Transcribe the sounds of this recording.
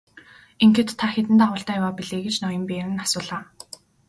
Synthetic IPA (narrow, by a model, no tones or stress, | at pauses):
eŋxĕt̪ʰːaxet̪ɘ̆nt̪aʁʊːɬt̪aːjawaːpiɮeːɡet͡ɕnɔjɞ̆mpeːɾɘ̆ŋasʊːɮaː